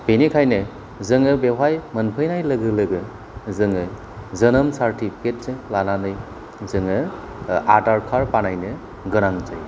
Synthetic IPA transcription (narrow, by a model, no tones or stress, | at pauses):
b̥enikʰajnɯ | zɯŋɯbewajmɐnpʰɯjnajlɯɡɯlɯɡɯ | zɯŋɯ | zɐnɯmsaɾtʰipʰi̥ket̚sɯlananɯj | zɯŋɯ | adaɾkʰaɾpanajnɯ | ɡɯnaŋzɯj